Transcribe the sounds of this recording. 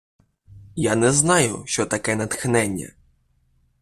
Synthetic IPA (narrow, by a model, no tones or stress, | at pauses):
janɛznɑjʊʃt͡ʃɔt̪ɐkɛnɐt̪xnɛnʲːɐ̰